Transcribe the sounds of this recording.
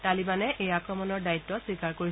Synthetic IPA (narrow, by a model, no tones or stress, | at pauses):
talibanɛʔejakɹɔmɔnɔɹdaitːɔsikaɹkoɹi